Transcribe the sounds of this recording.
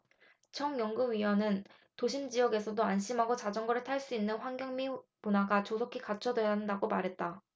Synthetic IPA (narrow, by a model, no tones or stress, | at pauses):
t͡ɕʰʌŋjʌŋɡuɥiʌnɯn | toɕʰimd͡ʑijʌɡe̞sʰʌdoanɕʰimɦaɡot͡ɕad͡ʑʌŋɡʌɾɯɭtʰaɭs͈uinːɯnɸwaŋɡjʌŋmipunaɡat͡ɕosʰokʰikat͡ɕʰʌdwe̞ɦandaɡomaɾɦe̞t̚t͈a